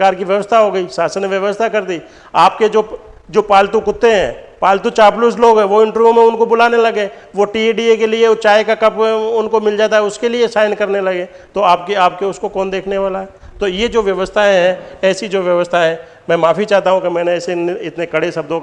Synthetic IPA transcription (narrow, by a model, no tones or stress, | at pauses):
kaːɾkiʋjɐʋəst̪ʰaɦoːɡəiːsaːsənʋjɐʋəst̪ʰakɐɾd̪i | aːpked͡ʒoːd͡ʒoːpaːlt̪ukʊt̪ːeɦɛ̰̃ːpaːlt̪ut͡ʃaːplʊsloːɡɦɛ̃ʋoɪ̃ɳʈəɾʋjũmẽʊnkobʊlaːnelɐɡeːʋoʈieɖiekeliet͡ʃaːekakɐpʊnkomɪld͡ʒaːt̪aɦɛʊskeliesaːɪnkɐɾnelɐɡeː | t̪oaːpkeaːp̚keʊskokɔːnd̪eːkʰneʋaːlaɦɛːt̪ojed͡ʒoːʋjɐʋəst̪ʰaẽɦɛ̃ɛːsid͡ʒoːʋjɐʋəst̪ʰaɦɛ̃ | mɛ̃ːmaːfit͡ʃaːt̪aɦũkemɛ̃ːneːseɪt̪nekɐɽesɐb̚d̪ʱõk